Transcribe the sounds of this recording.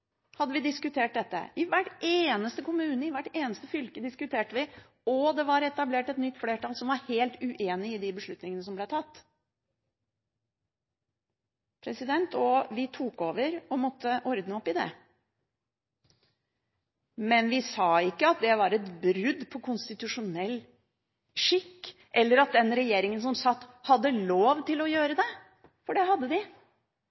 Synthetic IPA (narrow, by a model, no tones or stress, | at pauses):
hɑd̪ːəʋɪd̪ɪskʉt̪ʰeːʈ̚d̪ɛt̪ːə̰ɪʋæʈeːnəst̪əkʊmʉːnəɪʋæʈːeːnəst̪əfʏlkəd̪ɪskʉt̪ʰeːʈəʋɪ | ɔd̪ɛʋɑɾɛt̪ɑbleːʈɛt̪nʏt̪ːfleːʈɑlsɔmʋɑɾheːlt̪ʉʔeːnɪɪd̪ɪbəʂɭʉt̪nɪŋənəs̬ɔmblɛt̪ʰɑt̪ː | pʰɾɛsɪd̪ɛnt̪ʰɔʋɪt̪ʰuːkoːʋəɾɔmɔt̪ʰːəʔɔɾd̪nəɔpːɪd̪ɛ̰ | mɛnʋɪsɑːɪkːəɑt̪̚d̪ɛʋɑɾɛt̪bɾʉd̪pʰɔkʰʊnst̪ɪt̪ʉʂʊnɛlː | ʂɪkːʔɛlːəɾɑt̪̚d̪ɛnɾɛjeːɾɪŋəns̬ɔmsɑt̪ːhɑd̪ːəloːʋt̪ɪlɔjøːɾəd̪ɛ | fɔɖɛɦɑd̪ːəd̪ɪ